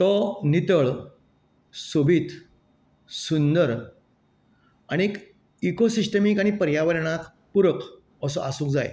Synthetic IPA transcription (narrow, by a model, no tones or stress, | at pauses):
t̪ɔnit̪əɭ | sobʱit̪ | sund̪əɾ | aɽ̃iek | ikosisʈəmikaɽ̃ipəɾjaʋəɾɳ̃at̪ | puɾək | əsɔʔasũːŋk̚d͡za̰j̰